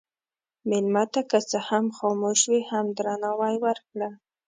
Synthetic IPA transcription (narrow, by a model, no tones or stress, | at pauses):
mɪlmat̪akət͡səhamxɑmoʃwihamd̪ɾɑnawajwəɾkɽa